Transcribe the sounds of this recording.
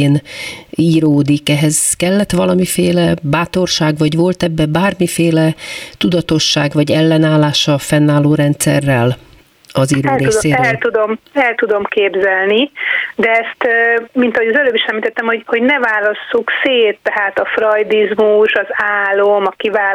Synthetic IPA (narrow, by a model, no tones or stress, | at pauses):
eːniːɾoːd̪ikɛɦɛz̥kɛlːɛt̪ʋɒlɒmifeːlɛbaːt̪o̞rʃaːɡʋɒɟʋo̞lt̪ɛbːɛbaːrmifeːlɛt̪ud̪ɒt̪o̞ʃːaːɡvɒɟɛlːɛnaːlːaːʃɒfɛnːaːlːoːɾɛnt̪sɛ̰rːɛl | ɒziːɾoːd̪eːʃseɛlt̪ud̪omɛlt̪ud̪o̞mkeːbzɛlnid̪ɛɛst̪ːmint̪ɒɦo̞ɟɒzɛløːbiʃɛmlit̪ɛt̪ːɛmho̞ɟho̞ɟnɛvaːlɒsːukseːt̪ːɛɦaːt̪ɒfrɒjd̪izmuʃɒzaːlomɒkivaː